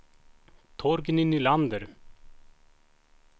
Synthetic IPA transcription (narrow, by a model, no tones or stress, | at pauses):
t̪ʰɔɾɡninyland̪əɾ